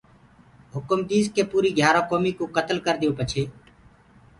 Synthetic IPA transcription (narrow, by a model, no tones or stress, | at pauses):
ɦʊkʊmd̪iːzkeːpuːɾiːɡʱjaːɾõːkoːmiːkoːkət̪əlkəɾd̪ɪjõːpət͡ʃʰeː